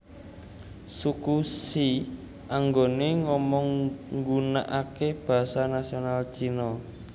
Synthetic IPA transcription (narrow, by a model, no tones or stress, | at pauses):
sukusi | ʔaŋɡoneŋɔmɔŋɡunaʔakeb̥a̤sanasionalt͡ʃinɔ